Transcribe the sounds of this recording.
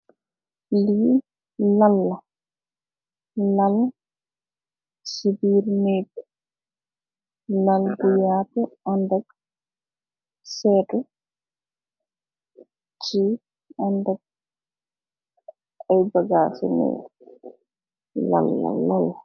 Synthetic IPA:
liː | lalːa | lal | sibiːɾnɛɡɛ | laldujaːtɔʔandaɡ | sɛːtɔ | t͡ʃi | andaɡ̚ | ajbaɡaːsɛ̰nɛ̰ | la̰lːa̰lal

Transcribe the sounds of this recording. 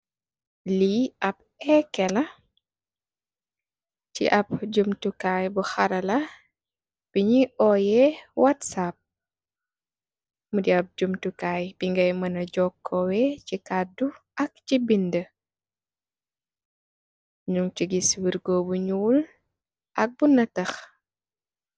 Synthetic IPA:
liɐp̚ɛkːɛlɐ | cḭʔɐp̚ɟumtukajbuxɐɾɐlɐ | b̥iɲiʔɔːjɛwʔatsap̚ | mudiɐp̚ɟumtukaːjb̥iŋɡɐjmɐnɐɟɔkʰːɔwɛcikadu | ɐk̚cibində | ɲuŋciɡiswiɾɡɔːbuɲuːl | ʔɐk̚bunɐtɐx

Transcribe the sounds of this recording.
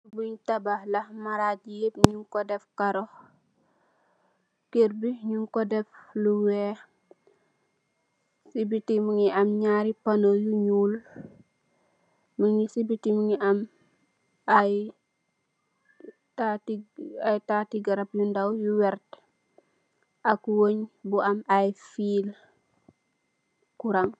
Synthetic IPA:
buɲtabahlɐmaɾatijep̚ɲuŋkɔdɛfkaɾɔ | keɾbiɲuŋkɔdɛfluwɛ | sibitimuŋiʔɐmɲaːɾipanojuɲul | muŋisibitimuŋiʔɐm | aj | tatiajtatiɡɐɾap̚jundawjuwɛɾt | ʔakwoɲbuʔɐmajfiːl | kuɾaŋ

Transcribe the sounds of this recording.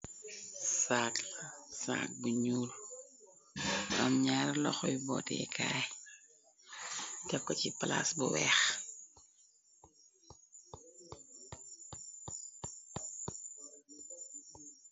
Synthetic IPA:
saklsa̰ːk̚buɲuːl | ɐmɲaːɾlɔxɔjbɔ̰tɛ̰kʰaːj | dɛp̚kɔcipala̰sbɔwɛ̰x

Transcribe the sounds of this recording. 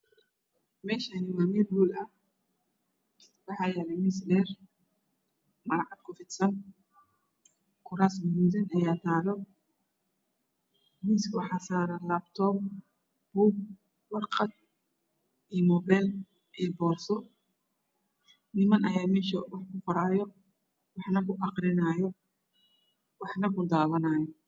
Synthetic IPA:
mɛːʃanɪmamɛlwuːlɐh | wɑħɑːjɛːɾɛmɪsdɛːr | mɐɾʕɑd̪kʰʊfɪt̪sɐn | kʰʊɾaːsmʊmuːðɐnɐjaːt̪ʰaːɾɔ | miskʊħɑsaːɾɐlabt̪ʰɔːb | b̥uːɡ | wɑrqɑd̪̚ | ijmɔːbɛːl | ʔijbɔːsɔ | nɪmɐnʔɐjaːmɛːʃɐwɑħkʰʊqɔɾaːjɔ | wɑħnɐkʰʊʔɑqrɪnaːjɔ | wɑħnɐkʰʊd̪aːwɐnaːjɔ

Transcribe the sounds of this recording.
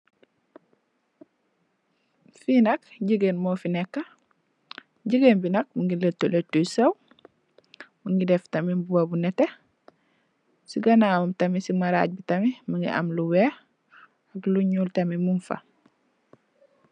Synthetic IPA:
finɐkɟiɡenmoːfinɛkːɐ | ɟəɡenbinɐk̚muŋɡiletːoletːujsɐw | muŋɡidɛftɐmibuwɐbunɛtːe | siɡɐnaːmɐmtɐmisimɐɾa̰ːɟ̚bitɐmimiŋɡḭʔɐ̰mluwɛː | ɐkluɲuːltɐmimunfɐ̰

